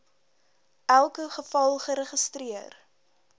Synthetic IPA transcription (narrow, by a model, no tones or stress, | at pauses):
ælˠkəχəfɐlˠχəɾəχəstriər